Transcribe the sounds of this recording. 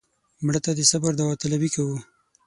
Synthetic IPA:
mɽət̪ad̪əsabaɾd̪awat̪alabikawu

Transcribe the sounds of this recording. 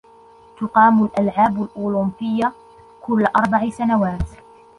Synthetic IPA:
t̪ʊqɑːmʊlʔalʕaːbalʔuːlʊmbɪjːa | kʊlːʔɑɾˤbaʕɪsanawaːt̪

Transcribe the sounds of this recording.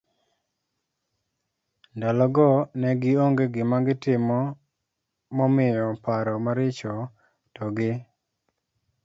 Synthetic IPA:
ndalɔɡɔnɛɡɪoŋɡeɡɪmaɡɪtɪmɔ | mɔmɪjɔpaɾɔmaɾɪt͡ʃɔ | tɔɡɪ

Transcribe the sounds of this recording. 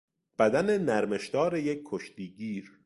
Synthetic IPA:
b̥æd̪ænenæɾme̞ʃd̪ɒːɾejec̚ʰkʰːoʃt̪iːɟiːɾ

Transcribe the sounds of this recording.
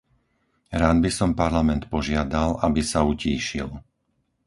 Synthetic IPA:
ɾaːd̪bisɔmpaɾlamɛnt̪pɔʒɪad̪alabisauciːʃḭl

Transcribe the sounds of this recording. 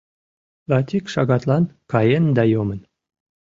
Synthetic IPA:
lɑt̪ʲikʃɑɣɑt̪lˠɑnkɑjend̪ɑjomə̆n

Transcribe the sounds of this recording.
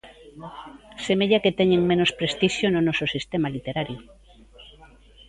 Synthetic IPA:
semeʎaket̪eɲeŋmenospɾest̪iʃjononososist̪emalit̪eɾaɾjo

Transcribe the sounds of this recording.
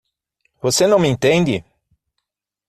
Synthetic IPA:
vosenɐ̃w̃mẽt̪ẽnd̪ɪ

